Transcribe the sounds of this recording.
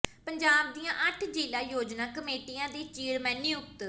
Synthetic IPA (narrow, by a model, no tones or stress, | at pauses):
pəɲd͡ʒaːb̚d̪ijãːʔəʈʰd͡ʒiːlaːjoːd͡ʒnaːkəmeːʈijãːd̪iːt͡ʃiːɾmɛːniːʊk̚t̪